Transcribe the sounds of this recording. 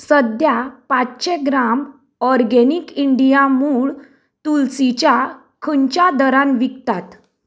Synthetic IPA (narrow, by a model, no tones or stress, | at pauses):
səd̪japat͡sɕẽɡɾam | ɔɾɡenikiɳɖijamuːɭ | t̪ulsit͡ɕja | kʰəɲt͡ɕjad̪əɾãnʋikt̪at̪